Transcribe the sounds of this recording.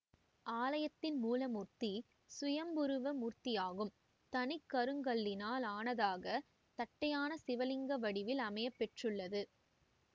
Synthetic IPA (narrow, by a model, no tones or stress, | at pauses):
ʔaːlɐjɐt̪ːɪnmuːlɐmurt̪i | sʊjɐmbɯɾɯʋɐmurt̪ɪjaːɣɯm | t̪ɐnɪkːɐɾɯŋɡɐɭːɪnaːlaːnɐðaːɣɐ | t̪ɐʈːɐjaːnɐsɪʋɐlɪŋɡɐʋɐɽɪʋɪlɐmɐjɐpːɛʈrɯɭːɐðɯ